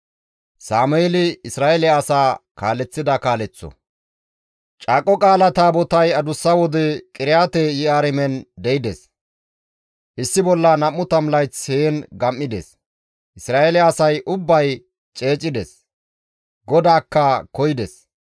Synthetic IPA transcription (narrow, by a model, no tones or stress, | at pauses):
saːmʊelɪɪsɾaːʔɛlɪɐːsaːkaːlɛt͡sːɪd̪ɐkaːlɛt͡sːɔ̰ | t͡ʃʼaːkʼɔkʼaːlɐt̪aːbɔt̪ɐjɐd̪ʊsːɐwɔd̪ɛkʼɪɾɪjaːt̪ɛjɪaːɾɛmɛnd̪ɛɪd̪ɛs | hɪsːɪbɔlːɐnɐmːʊt̪ɐmlɐjt͡sheːnɡɐmːɪd̪ɛ̰s | ʔɪsɾaːɛlɪːsɐjʔʊbːɐj | t͡ʃʼe̞ːt͡ʃʼːɪd̪ɛs | ɡɔd̪aːkːɐkɔjɪd̪ɛs